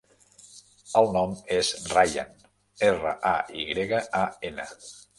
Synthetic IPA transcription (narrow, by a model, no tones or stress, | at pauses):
əlˠnɔmezraja̰n | erə̰ʔaiɣɾeɣəaenə̰